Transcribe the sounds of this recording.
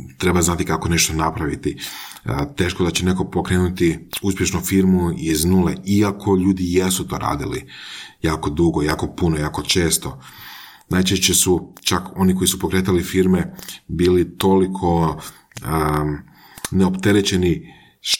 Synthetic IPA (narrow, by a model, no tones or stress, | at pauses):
t̪ɾe̞baznat̪ikako̞ne̞ʃt̪o̞napɾaʋit̪i | t̪e̞ːʃkod̪at͡ɕe̞ne̞ko̞po̞kɾe̞ːnut̪iuspʲje̞ʃnufiɾmuiznulḛiakʰo̞ʎuːd̪ijesut̪o̞ːɾa̰ːd̪ilḭjaːko̞d̪uɡojaːko̞punojako̞t͡ʃe̞ːst̪o̞ | naːjt͡ʃeʃt͡ɕesut͡ʃako̞niko̞isupo̞kɾe̞t̪alifiɾmebiːlit̪o̞likʰo̞ | neopt̪e̞ɾet͡ɕeni | ʃ